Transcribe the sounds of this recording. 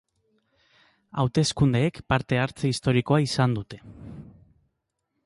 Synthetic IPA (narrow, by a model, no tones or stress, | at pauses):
a̰wt̪e̞skund̪e̞ːkpaɾt̪e̞aɾt͡seist̪o̞ɾiko̞aisand̪ut̪e̞